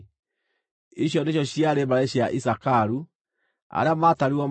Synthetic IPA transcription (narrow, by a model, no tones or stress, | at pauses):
iɕ̬jɔneɕ̬jɔɕijaɾembaɾeɕiaʔisakaɾu | a̰ɾeamataɾiɔm